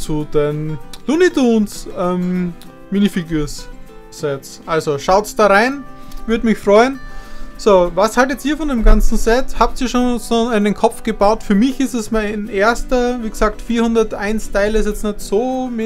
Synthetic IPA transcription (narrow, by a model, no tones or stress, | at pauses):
t͡sudenlunidunsʔɛm | miːnifiɡyːɐs | sɛtsʔalzoʃaʊtsd̥aːʁaɪnvʏɐdmɪçfʁ̥ɔʏənsoːvashaltətiːɐfɔndeːmɡant͡sn̩sɛthap̚tiːɐʃoːnsoːnɪndenkʰɔp͡fɡ̥əbaʊtfyːɐmɪçɪstɛsmaɪnʔeːɐstɐviːɡəz̥aːk̚tfiːɐhʊndɐtʔaɪnstʰaɪlɪs̬jɛt͡snɛtsoːm